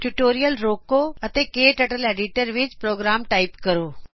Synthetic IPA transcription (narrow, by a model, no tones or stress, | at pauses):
ʈʊʈoːɾijəlɾoːkoɐt̪eːkeːʈɐʈəleːɖiʈəɾʋɪt͡ʃpɾoːɡɾaːmʈaːɪpkɐɾoː